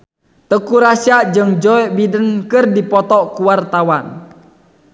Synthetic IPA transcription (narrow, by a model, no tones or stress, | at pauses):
t̪əkuɾasiaʔd͡ʒɨŋd͡ʒɔɛbidənkɨrdipɔt̪ɔkuwart̪awan